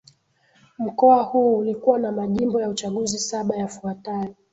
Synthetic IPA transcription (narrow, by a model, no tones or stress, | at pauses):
m̩kɔahuːlikuwanamaʄimbɔjaut͡ʃaɠuzisaɓajafuatajɔ